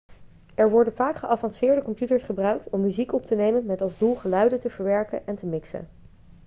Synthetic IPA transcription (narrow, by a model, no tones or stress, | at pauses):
ɛɹʋɔɹdənvaːkχəʔɑvɑnsɪːɹdəkɔmpjutəɹsχəbrœɥk̚tɔmːyzikɔptənejmənmɛtɑlˠzdulˠχəlœɥdətəvəɹʋɛɹkə̰nɛntəmɪksə̰n